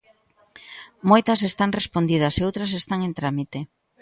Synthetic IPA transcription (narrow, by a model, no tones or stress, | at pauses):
mojt̪ɐs̬est̪aŋrespond̪iðɐseowt̪ɾɐsest̪aŋent̪ɾamit̪e